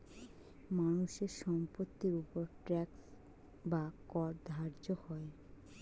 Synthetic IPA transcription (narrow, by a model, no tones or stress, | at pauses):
manuʃeɾʃɔmpot̪ːiɾupoɾʈɾɛks | bakɔɾd̪ʱaɾd͡ʑohɔe